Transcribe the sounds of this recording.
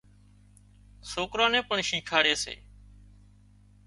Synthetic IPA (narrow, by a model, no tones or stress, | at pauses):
soːkɾãːnẽːpəɳʃĩːkʰaːɽeːsḛː